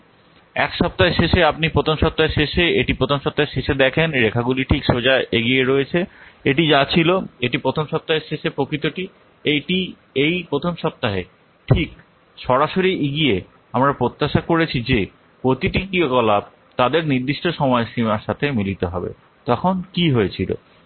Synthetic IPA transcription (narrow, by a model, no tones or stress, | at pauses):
ɛkʃɔp̚t̪aɦeʃeʃeapnipɾot̪ʰomʃɔp̚t̪aɦeʃeʃeeʈipɾot̪ʰomʃɔp̚t̪aɦeʃeʃed̪ɛkʰenɾekʰaɡuliʈʰikʃod͡ʑaʔeɡieɾojet͡ɕʰeeʈid͡ʑat͡ɕʰiloeʈipɾot̪ʰomʃɔp̚t̪aɦeʃeʃepɾokit̪oʈi | eʈi | ejpɾot̪ʰomʃɔp̚t̪aɦe | ʈʰik | ʃɔɾaʃoɾiʔiɡie | amɾapɾot̪ːaʃakoɾet͡ɕʰid͡ʑe | pɾot̪iʈikiokɔlab̚ | t̪ad̪eɾniɾd̪iʃʈoʃɔmɔeʃimaɾʃat̪ʰemilit̪oɦɔbḛ | t̪ɔkʰonkiɦoet͡ɕʰilo̰